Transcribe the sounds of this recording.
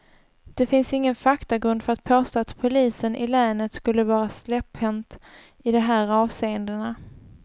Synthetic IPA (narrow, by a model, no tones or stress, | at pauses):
d̪̥ɛfɪnsɪŋːənfakt̪aɡɾɵnd̪fœɾat̪̚pʰoːst̪oːat̪pʰʊliːsənʔɪ̰lɛːnət̪skɵlːəvɑːɾaslɛphɛnt̪ | ɪd̪ɛɦæːɾɑːvseːənd̪əna